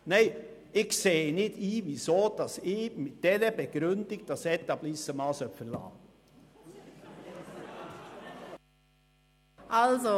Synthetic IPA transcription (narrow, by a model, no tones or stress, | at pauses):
nɛɪ | ɪɡseːnɪdiːʋisoːd̥ɑsɪmɪtd̥ɛnəbəɡ̥ɾʏndɪk̚t̚d̥ɑsɛt̪ɑblɪsəmɑːsœfəɾlɑ̰ː | ʔɑlzo